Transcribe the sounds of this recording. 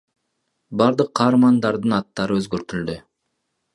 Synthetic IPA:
bɑɾd̪ɯqʰːɑːɾmɑnd̪ɑɾd̪ɯnɑt̪ːɑɾɯøzɡøɾt̪yld̪y

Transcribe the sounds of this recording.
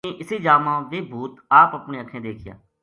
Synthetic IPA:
eːʔɪsiːd͡ʒaːmãːʋeːbʱuːt̪aːpəpnẽːəkʰːẽːd̪eːkʰɪja̰ː

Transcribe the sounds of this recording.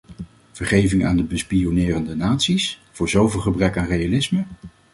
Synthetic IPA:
v̥əɹχejvɪŋa̰ːndəbəspijonɪːrəndənaːtsisv̥ʊːɹzowvɪlˠχəbrɛkaːnrejalɪsmə

